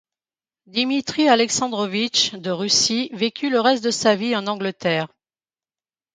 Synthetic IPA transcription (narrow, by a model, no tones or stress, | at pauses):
d̪imit̪χialɛksɑ̃d̪ʁɔvit͡ʃd̪əʁysivekʲʰyləʁɛst̪̚d̪əsaviɑ̃nɑ̃ɡlət̪ɛːʁ